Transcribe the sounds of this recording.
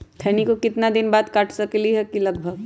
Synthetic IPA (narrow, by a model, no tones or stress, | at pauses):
t̪ʰɛːnikokɪt̪nad̪ɪnbaːd̪kaːʈʰsɐkliɦɛkilɐɡbʱəɡ